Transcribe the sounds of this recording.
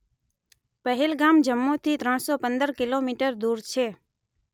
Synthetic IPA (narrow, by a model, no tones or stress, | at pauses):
pəɦɛlɡamd͡ʒəmːot̪ʰit̪ɾəɳ̃sɔpə̃nd̪əɾkɪlomiʈəɾd̪uɾt͡ʃʰe